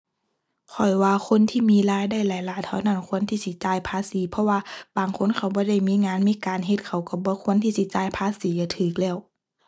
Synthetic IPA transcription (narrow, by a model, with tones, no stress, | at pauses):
kʰɔ˨˩jwaː˧kʰo˧˥˨nt̪ʰiː˧˨miː˧˨laː˧˥˨jda˧˩jlaː˨˦jlaː˨˦t̪ʰːa˧˩wna˧˩˨nkʰu˧˥ənt̪ʰiː˧si˧˦t͡ɕaː˧˩jpʰaː˧˥˨siː˨˦pʰɔ˧waː˧baː˨ŋkʰo˧˥˨nkʰa˧˩wbɔː˧˦da˧˥˩jmiː˧˥˨ŋaː˧˥˨nmiː˧˥˨kaː˨nɦe˧t̪̚kʰa˨˩wka˧˩bɔː˧˦kʰu˧˥ənt̪ʰiː˧si˧˦t͡ɕaː˧˩˨jpʰaː˧˥˨siː˨˦ja˧˩t̪ʰɯː˨˩k̚lɛː˧˩˨w